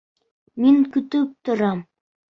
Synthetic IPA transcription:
meŋkɵt̪ɵp̚t̪ʊ̆ɾɑm

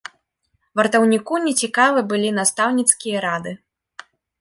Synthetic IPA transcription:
vɐrt̪ɐwnʲikunʲɛt͡sʲikavɨbɨlʲinast̪awnʲit̪skʲijɐɾad̪ɨ

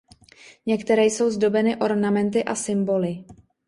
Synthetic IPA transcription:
ɲɛkt̪ɛɾɛːjso̞wzdo̞bɛnɪʔo̞ɾnamɛnt̪ɪʔasɪmbo̞lɪ

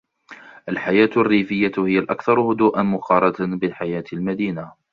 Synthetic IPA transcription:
ʔalħajaːt̪arːiːfɪjːahɪjːalʔakθɑɾˤhʊd̪uːʔanmʊqɑːɾˤɑt̪abɪlħajaːt̪ɪlmad̪iːna

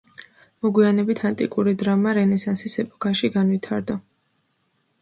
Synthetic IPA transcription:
mɔɡwianɛbit̪ʰant̪ʼḭkʼuɾid̪ɾamaɾɛnɛsansisɛpʼɔ̥kʰaʃiɡanvit̪ʰaɾd̪a

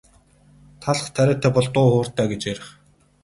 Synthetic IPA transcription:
t̪ʰaɮχt̪ʰæɾʲæːt̪ʰæːpɔɮt̪ʊːχoːr̥t̪æːɡet͡ɕeɾɪ̆χ

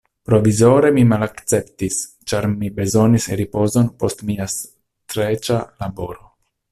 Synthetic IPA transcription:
pɾo̞vizo̞ɾe̞mimalakt͡se̞ptis | t͡ʃaɾmibe̞zo̞nisɾipo̞zo̞npo̞stmias | tɾet͡ʃalabo̞ɾo̞

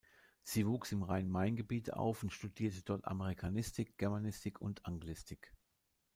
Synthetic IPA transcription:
z̥iːvuːksɪmʁaɪnmaɪnɡəbiːtəʔa̰ʊfʊntʃtudiːɐtədɔɐta̰məʁ̞ikʰanɪstɪk̚ɡ̥ɛɐmanɪstʰɪkʰʊntʰʔaŋɡlɪstʰɪk

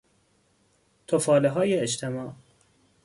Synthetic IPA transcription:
t̪ʰofɒːleɦɒːjeeʃt̪ʰemɒːʔ

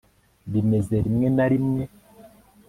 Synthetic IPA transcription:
bimezeɾimɛnaɾimŋɛ

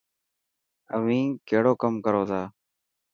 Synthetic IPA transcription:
əʋĩːkeːɽoːkəmkəɾoːt̪ʰaː

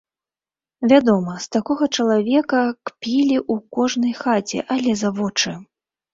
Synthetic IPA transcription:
vʲad̪ɔmɐst̪akɔɣɐt͡ʂɐlˠavʲɛkɐkpʲilʲiʔukɔʐnɐjxat͡sʲɛ̰ʔalʲɛzavɔt͡ʂɨ

